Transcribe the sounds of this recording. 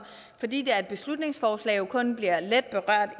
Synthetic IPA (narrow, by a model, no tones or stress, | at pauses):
fɒ̽d̥ḭːd̥e̝ɐe̝d̥̚b̥e̝slud̥ne̝ŋsfɒːslɛ̰ːjo̝kʰɔ̽nb̥liɐ̰led̥̚b̥e̝ʁɶɐ̰d̥